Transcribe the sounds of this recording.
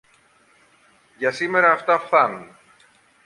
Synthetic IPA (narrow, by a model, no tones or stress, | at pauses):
ʝɐsime̞ɾɐːft̪ɐfθɐnun